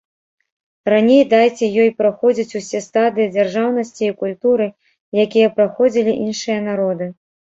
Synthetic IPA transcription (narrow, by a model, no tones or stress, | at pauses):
ranʲejd̪ajt͡sʲɛjɔjpɾaxɔd͡zʲit͡sʲusʲɛst̪ad̪ɨjid͡zʲarʐawnɐsʲt͡sʲiːkulʲt̪uɾɨ | jakʲijɐpɾaxɔd͡zʲilʲiʔinʂɨjɐnaɾɔd̪ɨ